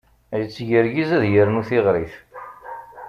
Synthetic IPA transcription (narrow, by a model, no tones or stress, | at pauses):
jət͡sːʝəɾɡizæðjəɾnuθɪʁɾiθ